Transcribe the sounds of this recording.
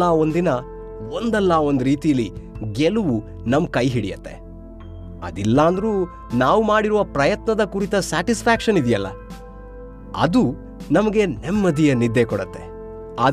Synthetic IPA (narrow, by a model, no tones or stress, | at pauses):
aːo̞nd̪inɐ | o̞nd̪ɛlːaːo̞nd̪uɾiːt̪ijɐlːiɡeluʋu | nɐmkɐjɦiɽijɐt̪ːe̞̰ | ɐ̰d̪ilːaːnd̪ɐɾuː | naːʋumaːɽiɾuʋɐpɾɐjɐt̪nɐd̪ɐkuɾit̪ɐsaːʈispʰaːkʂɐnid̪ijɐlːɐ̰ | ɐ̰d̪u | nɐmɐɡe̞nemːɐd̪ijɐnid̪ːekɔɽɐt̪ːe̞̰ | aː